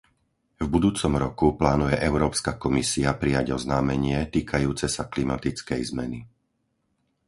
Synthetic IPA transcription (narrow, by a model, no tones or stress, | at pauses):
vbud̪uːt͡sɔmɾɔkuplaːnujɛʔɛʊɾɔːpskakɔmisiapɾijaɟɔznaːmɛɲɪɛt̪iːkʰajuːt͡sɛsaklimat̪it͡skɛjzmɛ̰ni